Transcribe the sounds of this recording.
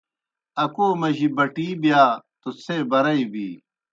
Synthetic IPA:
ɐkoːmɐʑibɐʈiːbjaːt̪ot͡sʰeːbɐɾɐibiː

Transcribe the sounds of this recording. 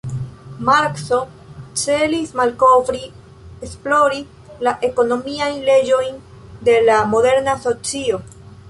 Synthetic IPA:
maɾkso̞ | t͡se̞lismalko̞vɾi | esplo̞ɾi | laʔe̞ko̞no̞miajnle̞d͡ʒo̞jn | de̞lamo̞de̞ɾnaso̞t͡sio̞

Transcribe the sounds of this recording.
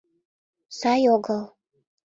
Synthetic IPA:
sɑjoɡɤlˠ

